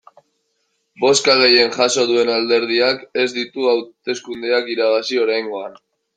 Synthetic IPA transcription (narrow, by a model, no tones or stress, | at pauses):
bo̞skaɣ̞e̞je̞nʝaso̞ðue̞nald̪e̞ɾð̞iake̞zd̪it̪uawt̪e̞skund̪eakiɾaβ̞asio̞ɾajŋɡo̞an